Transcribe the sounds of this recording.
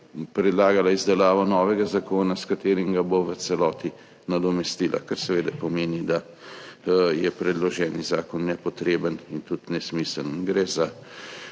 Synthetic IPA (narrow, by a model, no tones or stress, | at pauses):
pɾɛd̪laːɡalaizd̪ɛlaːʋɔnɔːʋɛɡazakoːnaskat̪eːɾimɡaboʋət̪sɛlɔːt̪i | nad̪ɔmɛst̪iːlʔa̰kaɾsɛʋeːd̪ɛpɔmeːnid̪a | jɛpɾɛd̪lɔʒɛːnizaːkɔnːɛpɔt̪ɾeːbənint̪ut̪nɛsmiːsənɡɾɛza